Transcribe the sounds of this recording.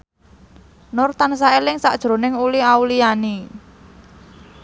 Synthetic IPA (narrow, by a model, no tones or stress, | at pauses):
nʊrt̪ansaelɪŋsa̰ʔd̥ʒ̥ɾo̤nɪŋuliauliani